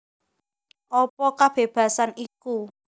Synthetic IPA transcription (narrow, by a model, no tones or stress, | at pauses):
ʔɔpɔkab̥e̤b̥ä̤saniku